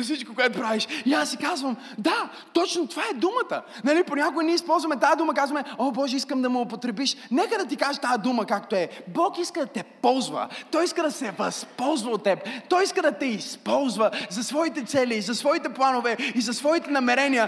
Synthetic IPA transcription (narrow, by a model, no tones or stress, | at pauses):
ɐfsit͡ʃkokoɛt̪ʊpɾaviʃiasːikazvɐm | d̪a | t̪ɔt͡ʃnot̪ovaɛd̪umət̪ə | nɐliponʲakoiniɛispɔlˠzvɐmɛt̪ad̪uməkazvɐmɛobɔʒɛiskəmd̪ɐmoopot̪ɾɛbiʃnɛkəd̪ɐt̪ikaʒɛ̥t̪aəd̪uməkakt̪oɛbɔkiskəd̪ɐt̪ɛpɔlˠzvɐ̰t̪ɔjiskəd̪ɐsɛvɐspɔlˠzvɐot̪ːɛpɛt̪ɔiskəd̪ɐt̪ɛispɔlˠzvəzɐsvɔit̪ɛt̪sɛlizɐsvɔit̪ɛplˠanovɛizɐsvɔit̪ɛnɐmɛɾɛniə